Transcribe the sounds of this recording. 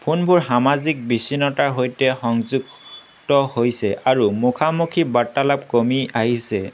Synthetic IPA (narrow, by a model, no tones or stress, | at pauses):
pʰunbuɹhamazik̚bisinɔtaɹɦojtɛxɔŋzuɡ | tɔhojsɛʔaɹumukʰamukʰibatːalap̚komiaɦisɛ